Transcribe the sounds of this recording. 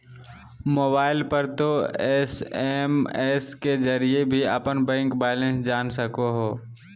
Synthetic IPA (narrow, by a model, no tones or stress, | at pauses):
moːbaːɪlpəɾt̪oɛːseːmɛːsked͡ʒəɾiebʱiə̰pənbɛ̃ːŋkbɛːlẽnsd͡ʒaːnsəkoɦoː